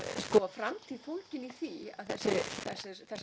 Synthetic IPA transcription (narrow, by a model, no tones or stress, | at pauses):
skɔfɾamt̪ʰɪlfowlcɪniθia̰ðθɛsːɪθɛsːɪɾθɛs